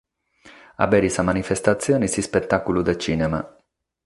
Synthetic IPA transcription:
a̰bɛɾisamanifest̪at̪sːjoːnisispet̪ːakulud̪et͡ʃiːnɛma̰

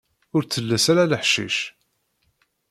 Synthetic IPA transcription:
ʊɾt͡sːəlːæsaɾaləħʃḭʃ

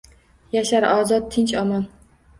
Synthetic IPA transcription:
jaʃaɾɒːzɒt̪̚ʰɪnt͡ʃɒmɒn

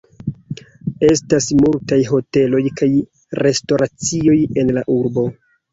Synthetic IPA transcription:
e̞stasmultajɦo̞te̞lo̞jkaj | ɾe̞sto̞ɾat͡sio̞je̞nlaʔuɾbo̞

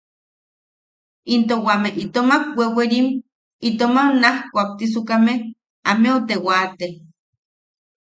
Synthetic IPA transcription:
int̪owameʔit̪omakweweɾim | it̪omanahkʷak̚t̪is̬ukameh | ameot̪ewat̪e

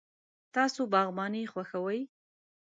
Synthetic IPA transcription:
t̪ɑsobɑɣmɑnexwaxawəj

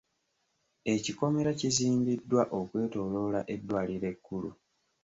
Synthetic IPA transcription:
e̞ciko̞me̞ɾaciziːmbidːwaʔo̞kwe̞ːto̞ːlo̞ːlaʔe̞dːwaːliɾe̞kːulṵ

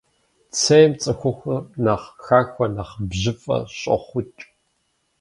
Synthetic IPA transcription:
t͡sʰɐjmt͡sʼɐxʷʊxʷɐnaːχxaːxʷɐnaχbʑɪfʼɐ̰ɕʼɐ̰χʷʊt͡ʃʼ

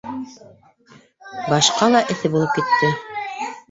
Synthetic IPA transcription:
bɑʃqɑlˠɑʔɘ̆θɘbulˠɤp̚kit̪ːɘ

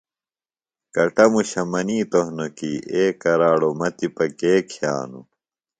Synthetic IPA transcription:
kɐʈɐmuɕɐmɐniːt̪ohnokiːeːkɐɾaːɽomɐt̪ipɐkeːkʰja̰ːnṵ

